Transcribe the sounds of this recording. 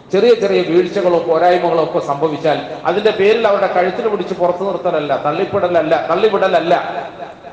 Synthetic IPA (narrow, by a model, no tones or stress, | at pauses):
t͡ɕe̞rijɐt͡ɕerijɐʋiːɻit͡ɕːɐɣɐɭupo̞ːɾaːjɐmɐɣɐɭokːɐsɐmbʱɐʋit͡ɕːaːlɐ̰ðinde̞pe̞ːɾilɐʋɐɾɽe̞kɐɻit̪ːilpiɽit͡ɕːɨpurɐt̪ːunirut̪ːɐlɐlːɐt̪ɐɭːipːiɽɐlɐlːɐt̪ɐɭːipiɽɐlɐlːɐ̰